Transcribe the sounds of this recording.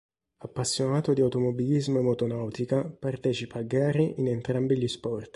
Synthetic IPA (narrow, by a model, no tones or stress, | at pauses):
apːasːjonaːt̪od̪iawt̪omobilizmoemot̪onawt̪ikapart̪ɛːt͡ʃipʰaːɡːaːɾiʔinɛnt̪ɾambiʎispɔrt̪